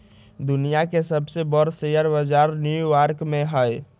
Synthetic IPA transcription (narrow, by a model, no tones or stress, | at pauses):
d̪ʊnijakesəbsebɔɾsejəɾbəd͡ʒaːɾnjuʋaːɾkmẽɦəe